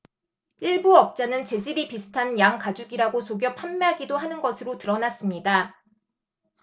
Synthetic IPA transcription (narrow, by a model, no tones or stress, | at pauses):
iɭbuʌp̚t͡ɕ͈anɯnt͡ɕe̞d͡ʑiɾipisʰɯ̥tʰanjaŋkad͡ʑuɡiɾaɡosoɡjʌpʰamːeɦaɡidoɦanɯnɡʌsʰɯɾotɯɾʌnas͈ɯmɲida